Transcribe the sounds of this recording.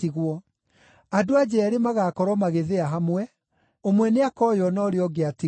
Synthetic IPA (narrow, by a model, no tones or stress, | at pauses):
iɣwɔ | adoad͡ʑɛːɾemaɣaːkɔɾɔmaɣeðeaɦamwɛ | omwɛneakɔjɔnɔɾeɔɡeati